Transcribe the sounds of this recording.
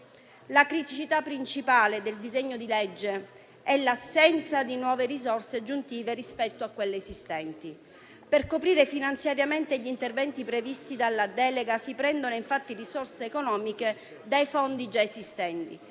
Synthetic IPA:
lakɾit̪it͡ʃit̪apːɾint͡ʃipaːled̪eld̪izeɲːod̪iled͡ʒːe | ɛlːasːɛnt̪sad̪inwɔːverizorsead͡ʒːunt̪iːverispɛt̪ːoakːwelːeːzist̪ɛnt̪i | perkopɾiːɾefinant̪sjaɾjament̪eʎint̪ervɛnt̪ipɾevist̪id̪alːad̪ɛːleɡasipɾɛnd̪onoiɱfat̪ːirisorseːkonɔːmike | d̪ajfond̪id͡ʒaezist̪ɛnt̪i

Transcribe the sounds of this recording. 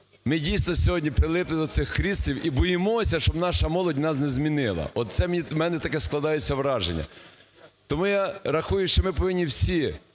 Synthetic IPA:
mɪdʲijsnɔsʲɔɦɔdʲnʲipɾɪlˠɪplˠɪd̪ɔsɪxkɾʲislʲiwʔibɔjɪmɔsʲɐʃt͡ʃɔbnɑʃɐmɔlˠɔdʲnɑs̬nɛzmʲinɪlˠɐ̰ʔɔt̪̚t̪sɛmʲimɛnɛt̪ɐkɛsklˠɐd̪ɑjʊt͡sʲːɐʋɾɑʒenʲːɐ̰ | t̪ɔmujɑɾɐxujʊʃt͡ʃɔmɪpɔʋɪnʲːiwsʲi

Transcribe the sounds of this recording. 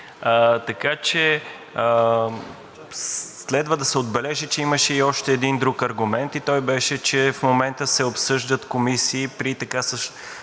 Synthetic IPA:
ət̪ɐkat͡ʃɛ | ə | slɛd̪vəd̪ɐsɛod̪̚bɛlɛʒit͡ʃɛiməʃɛiɔʃt̪ɛːd̪ind̪ɾukɐɾɡʊmɛnt̪it̪ɔjbɛʃɛt͡ʃɛfmomɛnt̪əsɛopsɤʒd̪ət̪komisiːpɾit̪ɐkasəʃ

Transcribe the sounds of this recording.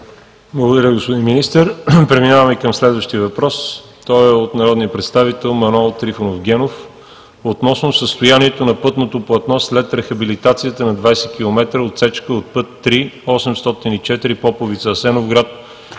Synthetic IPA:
blˠəɡod̪ɐɾʲəɡospod̪inminist̪əɾpɾɛminavəmɛkəmslɛd̪vəʃt̪iəvɐpɾɔs | t̪ɔjɛot̪nɐɾɔd̪nijəpɾɛt̪st̪avit̪ɛlˠmɐnoɛlˠt̪ɾifonofɡʲɛnof | ot̪nɔsnosəst̪ojaniɛt̪onɐpɤt̪not̪oplˠɐt̪nɔslɛt̪ɾɛxɐbilit̪at̪sijət̪ənɐd̪vajsɛk̟ʲilˠomɛt̪ɾəot̪sɛt͡ʃkəot̪̚pɤt̪ːɾiɔsɛmst̪ɔt̪init͡ʃɛt̪iɾipɔpovit̪səːsɛnovɡɾat̪̚

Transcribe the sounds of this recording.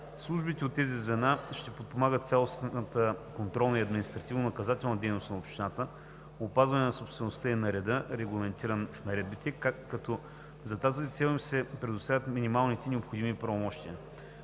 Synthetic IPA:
slˠuʒbit̪ɛot̪ːɛzizvɛnaʃt̪ɛpot̪̚pomaɡət̪t̪sʲɛlˠosət̪əkont̪ɾɔlˠnəiɐd̪minist̪ɾɐt̪ivnonɐkɐzat̪ɛlˠnɐd̪ɛjnost̪nɐopʃt̪inat̪ə | opazvɐnɛnɐsopst̪vɛnost̪əinɐɾɛd̪ɤɾɛɡlˠɐmɛnt̪iɾənfnɐɾɛd̪̚bit̪ɛkaːɐt̪ɔ | zɐt̪azit̪sɛlˠimsɛpɾɛd̪ʊst̪avʲət̪minimalˠnit̪ɛnɛopxod̪imipɾɐvomɔʃt̪iə

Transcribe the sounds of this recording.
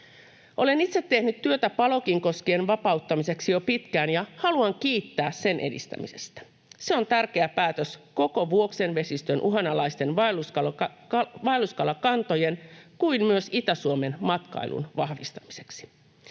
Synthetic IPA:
ʔo̞le̞nit̪set̪ːehnyt̪tyøt̪æpɑlo̞kiŋko̞skeːnʋɑpɑut̪ːɑmise̞ksijo̞pit̪kæːnjɑhɑluɑŋk̟iːt̪ːæːsse̞nʔe̞̰dḭst̪æ̰mḭse̞̥̰st̪æ̥ | seo̞nt̪ærk̟e̞æpæːt̪øsko̞ko̞ʋuoksenʋe̞sist̪ønʔuɦɑnɑlɑist̪e̞nʋɑluskɑ | ʋɑeluskɑlɑkɑnt̪o̞je̞nkuimmyøsit̪æsuome̞nmɑt̪kɑ̰ilṵnʋɑhʋist̪ɑmise̞̥ksi̥

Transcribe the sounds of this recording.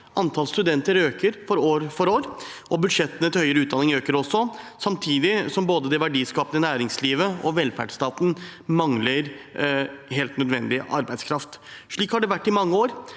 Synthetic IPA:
ʔɑnt̪ʰɑlst̪ʉd̪ɛnt̪əɾøːkəɾfɔɾoːɾfɔɾoːɾʔɔbʉd̪ʂɛt̪ːənət̪ɪlhœʏəɾəʉːt̪̚d̪ɑnɪŋøːkəɾɔsːɔsɑmt̪ʰiːd̪ɪsɔmboːd̪əd̪ɛʋæɖiːskɑːpənənæːɾɪŋsliːʋəɔ̰ʋɛlfæ̰ɖst̪ɑːt̪n̩mɑŋləɾ | heːlt̪nœd̪ʋɛnd̪ɪʔɑ̰ɾbæɪd̪skʰɾɑft̪ʂɭiːkhɑɖɛʋæʈːɪmɑŋːəoːɾ

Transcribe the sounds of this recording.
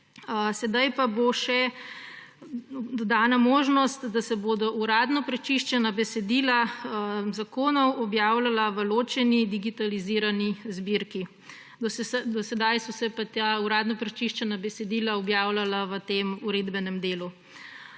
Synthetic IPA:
sɛd̪ajpaboʃɛ | d̪ɔd̪aːnamoːʒnɔst̪d̪asɛboːd̪ɔʔuɾaːd̪nɔpɾɛt͡ʃiʃt͡ʃɛnabɛsɛd̪iːla | zakoːnɔwɔbjaːwlalaʋəloːt͡ʃɛnid̪iɡit̪aliziɾanizbiɾki | d̪ɔsɛsd̪ɔsɛd̪ajsɔsɛpat̪auɾaːd̪nɔpɾɛt͡ʃiʃt͡ʃɛnabɛsɛd̪iːlaɔbjaːwlalaʋət̪eːmuɾeːd̪bɛnɛmd̪eːlu

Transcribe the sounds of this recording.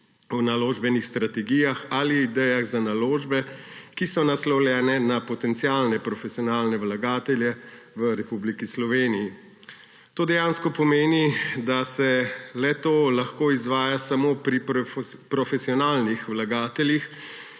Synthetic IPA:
ɔnaloːʒbɛnixst̪ɾat̪ɛɡijaxaliid̪ɛjaɣzanaloːʒbɛkisɔnaslɔwljɛːnɛnapɔt̪ɛnt̪siaːlnɛpɾɔfɛsiɔnaːlnɛwlaɡaːt̪ɛljɛ | ʋəɾɛpublikislɔʋeːniji | t̪oːd̪ɛjaːnskɔpɔmeːnid̪asɛlɛt̪oːlaxkoːizʋaːjasamoːpɾipɾɔfɛsiɔnaːlnixwlaɡaːt̪ɛljix

